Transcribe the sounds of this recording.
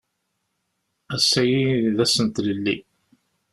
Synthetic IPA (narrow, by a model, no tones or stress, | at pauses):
æsːæjiðæsənt̪ləlːi